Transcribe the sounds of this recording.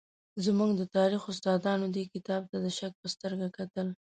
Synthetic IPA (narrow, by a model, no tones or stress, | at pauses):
zmuɡd̪ət̪ɑɾixʊst̪ɑd̪ɑnod̪ekɪt̪ɑb̚t̪ad̪əʃak̚pəst̪əɾɡakat̪əl